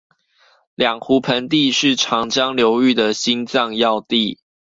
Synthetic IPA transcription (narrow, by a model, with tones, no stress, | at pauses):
ljɑ˨˩ŋxu˨˥pʰə˧˦nt̪̬i˥˧ʂɻ̩˥˨ʈ͡ʂʰɑ˧˥ŋt͡ɕjɑ˦ŋljo˧˥ʊy˥˩d̪ə˨˩ɕi˦nt͡sɑ˥˧ŋjɑ˥˧ʊt̪i˥˨